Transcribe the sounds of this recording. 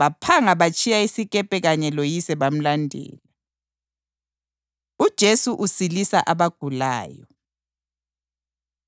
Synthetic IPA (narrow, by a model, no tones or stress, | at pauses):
βapʰaŋaβat͡ʃʰʼijaisiɣʼɛpʼɛɣaɲɛlojisɛβam̩landʱɛ̰ːla | ud̥ʒ̥ʱesuʔusilisaʔaβaɡ̥ʱula̰ːjɔ